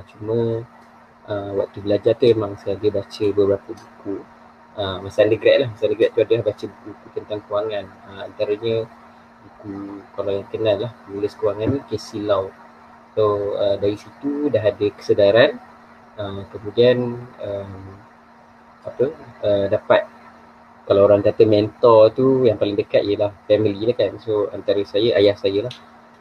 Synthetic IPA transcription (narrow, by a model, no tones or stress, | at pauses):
t͡ʃumə | ʔəwa̰k̚t̪ubəlad͡ʒart̪uemaŋsəadəbat͡ʃəbəbəɾapəbuku | ʔəmasandəɡɾaʔlahmasandəɡɾaʔt̪uadəlahbat͡ʃəbukubukut̪ənt̪aŋkəwaŋanəmant̪aɾaɲə | bukukalawjaŋkənalːahnuləskəwaŋanːĩkesilaw | soədaɾisit̪udaɦadəkə̥sədaɾan | əmkəmũdianəm | apəədapat̪̚ | kalawoɾaŋkat̪əmɛnt̪ɔt̪ujaŋpalɪŋdəkat̪̚ijəlahfɛmililahkansoant̪aɾəsajəʔajahsajəlah